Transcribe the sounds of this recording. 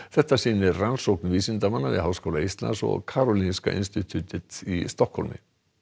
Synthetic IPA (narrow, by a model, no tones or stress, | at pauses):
θɛht̪asiːnɪɾransowknviːsɪnt̪amanːavɪ̰ðɦaːwskowlaist̪la̰nsɔ̰ɣkʰaːɾɔlinska̰ʔɪnst̪ɪt̪ʰyt̪ɪt̪ist̪ɔhkhɔlmɪ̰